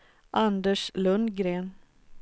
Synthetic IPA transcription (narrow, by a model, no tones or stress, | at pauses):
ʔand̪əʂlɵnd̪ɡɾeːn